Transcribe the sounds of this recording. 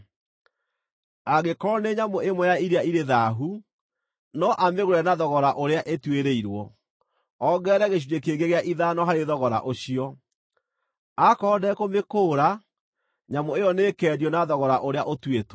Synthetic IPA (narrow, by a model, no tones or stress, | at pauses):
aɣekɔɔneɲamoemwɔjaiɾeaiɾeðaɦu | nɔʔameɣoɾɛnaðɔɣɔɾaʔoɾeaʔetweɾeiɾwɔ | ɔɡɛɾɛɣeɕ̬udekeːɣɡeɣeaʔiðanɔɦaɾeðɔɣɔɾa̰ʔoɕiɔ | akɔːdɛkomekoːɾa | ɲamoejɔneːkɛɾjɔnaðɔɣɔɾaʔoɾeaʔotweto